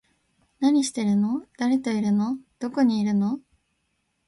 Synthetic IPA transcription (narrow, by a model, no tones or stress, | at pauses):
naɲ̟iɕi̥t̪e̞ɾɯ̟no̞d̪̥aɾe̞t̪o̞iɾɯ̟nod̪̥o̞ko̞ɲ̟iːɾɯ̟no̞